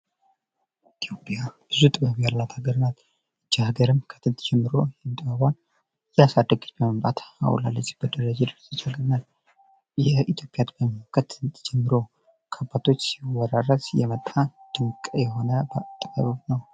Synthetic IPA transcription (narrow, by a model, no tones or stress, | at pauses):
it̪ʰjo̞pʼjab̥ɨzut̪ʼɨbəβijalːat̪ʰaɡəɾɨnal | ɨd͡ʒːahaɡəɾɨmkʰə̥t̪ʰːɨnt̪ʰʼd͡ʒɛmːɨɾo̞jɛnt̪ʼɨbaβan | jɛasad̪ːəɡbəməmbʼat̪a̰w̰la̰lːət͡ʃʼːb̥əd̪əɾəd͡ʒed̪ɨɾsɨt͡ʃaɡnal | jɛit̪ʰjo̞pʼjat̪ʰʼbəmokʰət̪ʰɨnt̪ʰd͡ʒɛmːɨɾo̞ | kʰabat̪ʰo̞t͡ʃːwɔɾaɾəsjɛmət̪ʼːad̪̥ɨŋkʼəjɛɦo̞nəbət̪ʼɨbəββnəw